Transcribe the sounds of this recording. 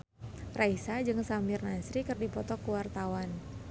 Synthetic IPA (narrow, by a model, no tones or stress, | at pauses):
rʔaisad͡ʒɨŋsamirnasɾikɨrdipɔt̪ɔkəwart̪awan